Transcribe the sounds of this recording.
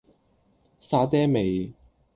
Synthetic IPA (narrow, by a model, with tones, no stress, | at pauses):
saː˧t̪ɛː˥me˨j